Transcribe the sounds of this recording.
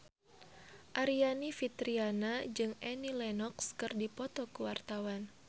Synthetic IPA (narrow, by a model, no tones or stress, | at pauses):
ʔaɾianifit̪ɾianad͡ʒɨŋɛnilɛnɔkskɨrdipɔt̪ɔkuwart̪awan